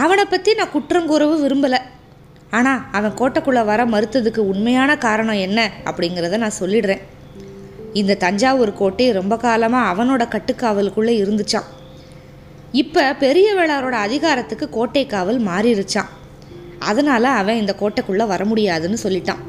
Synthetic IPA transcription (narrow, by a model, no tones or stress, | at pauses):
ɐʋɐnɐpːɐt̪ːinãːkʊʈrɐmkʊɾɐʋɯʋɪɾɯmbɐlɐ | aːnaːɐʋɐ̃koːʈːɐkːɯɭːɐʋɐɾɐmɐɾɯt̪ːɐðɯkːɯʊɳmɐjaːnɐkaːɾɐɳɐ̃ɛnːɐɐ̰pːɐɽɪŋɡɪɾɐðɯnãːsɔlːɪɽɾẽː | ɪnd̪ɐt̪ɐɲd͡ʒaːʋɔɾɯkoːʈːɐɪɾɔmbɐkaːlɐmaːɐʋɐnoːɽɐkɐʈːɯkːaːʋɐlkːɯɭːɐɪɾɯnd̪ɯt͡ʃːãː | ɪpːɐpɛɾɪjɐʋeːɭaːɾoːɽɐːðɪɣaːɾɐt̪ːɯkːɯkoːʈːɐɪkːaːʋɐlmaːɾɪɾɯt͡ʃːãː | ɐ̰ðɐnaːlɐɐʋɐ̃ɪnd̪ɐkoːʈːɐkːɯɭːɐʋɐɾɐmʊɽɪjaːðɯnːɯsɔlːɪʈːãː